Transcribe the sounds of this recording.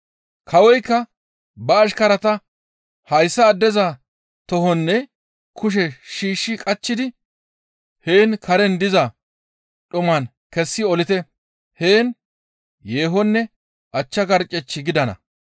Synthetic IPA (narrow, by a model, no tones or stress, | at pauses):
kʰɐwɔjkːɐ | bɐːʃ̬kɐɾɐt̪ɐ | hɐjsːɐːd̪ːɛzɐ | t̪ɔɦɔnːɛ | kʊʃ̬ɛʃiːʃːɪkʼɐt͡ʃːɪd̪ɪ | heːnkʰɐɾɛnd̪ɪzɐ | ɗʊmɐn | kɛsːɪɔlɪt̪ɛ | heːn | je̞ːɦɔnːɛ | ʔɐt͡ʃːɐɡɐɾt͡ʃʼːɛt͡ʃːɪɡɪd̪ɐnɐ̰